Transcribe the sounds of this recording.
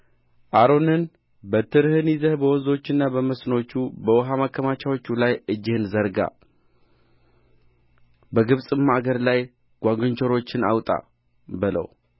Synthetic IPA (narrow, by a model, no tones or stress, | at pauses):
ʔaɾo̞nɨn | bət̪ʰɨɾhɨnizəhbəwɔzo̞t͡ʃːɨnːabəməsnot͡ʃːubəwɔɦamakʰːəmat͡ʃawo̞t͡ʃːulajɨd͡ʒːɪhɨnzəɾɡa̰ | bəɡɨβsʼɨmːaɡəɾlaj | ɡ̥ʷaɡɨɲt͡ʃʰoɾo̞t͡ʃːɪna̰wt̪ʼa̰ | bɨlə̰w